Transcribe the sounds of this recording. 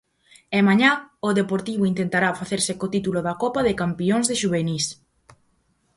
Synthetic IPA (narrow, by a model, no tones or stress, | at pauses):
emaɲaʊðepoɾt̪iβoint̪ent̪aɾafaθeɾsɪkot̪it̪uloðakɔpaðɪkampioŋzðeʃuβ̞enis